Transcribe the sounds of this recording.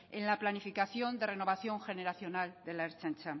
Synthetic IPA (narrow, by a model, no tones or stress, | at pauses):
enlaplanifikaθjo̞nd̪e̞re̞no̞βaθjo̞ŋxe̞ne̞ɾaθjo̞nald̪e̞laeɾt͡ʃant͡ʃam